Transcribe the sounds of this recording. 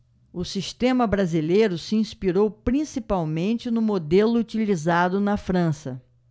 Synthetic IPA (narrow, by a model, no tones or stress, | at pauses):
ʊsist̪ẽmɐbɾazilejɾʊsɪĩspiɾowpɾĩsipawmẽnt͡ʃɪnʊmod̪elʊut͡ʃilizad̪ʊnɐfɾɐ̃sɐ